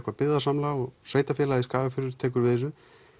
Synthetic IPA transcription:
kvapɪððasamlaɔɣseːjt̪afjɛːlaðiskaːvafɪɾʏɾ̥t̪ʰɛːk̬ʏɾvɪðɛs̬ʏ

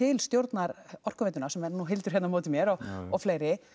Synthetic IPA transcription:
ɪlst̪jowɾt̪naɾɔr̥kʏvejt̪ʏnasɛmɛɾnuɦɪlt̪ʏɾ̥hɛt̪namoːwt̪ɪmjɛɾɔɣɔfleːjɾɪ

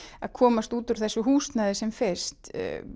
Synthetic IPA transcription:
a̰ðkʰɔːmast̪uːt̪ʏɾ̥θɛsːʏɦuːst̪naðɪsɛmfɪr̥st̪

